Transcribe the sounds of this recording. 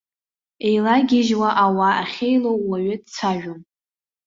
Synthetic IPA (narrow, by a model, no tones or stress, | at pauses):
e̞jlaɡʲɪʒwaʔawaːχʲejlowːaɥɪdt͡sʰaʒᶣom